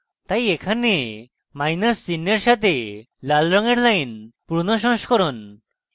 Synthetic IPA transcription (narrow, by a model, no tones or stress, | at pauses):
t̪ajekʰane | majnəsːinːeɾʃat̪e | lalɾɔŋeɾlajnpuɾnɔʃɔ̃ŋskɔɾɔn